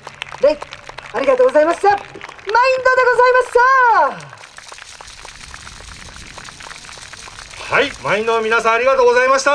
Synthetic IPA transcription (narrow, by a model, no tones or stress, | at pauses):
ɾeiaɾʲiɡat̪oːɡozaimaɕsamaĩnd̪od̪e̞ɡo̞zaimasa | haimaĩnd̪omʲinasãaɾʲiɡat̪oːɡo̞zaimaɕi̥t̪a